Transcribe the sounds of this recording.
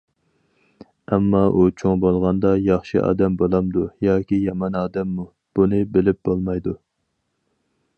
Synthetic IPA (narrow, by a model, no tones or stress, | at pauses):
ɛmːɑʔut͡ʃʰoŋbolˠʁɑnd̪ɑjɑχʃɨʔɑ̰ːd̪ɛmbolˠɑmd̪ujɑːkʲijɑmɑnɑːd̪ɛmːu | b̥unɨbɪlɪp̚b̥olˠmɑjd̪u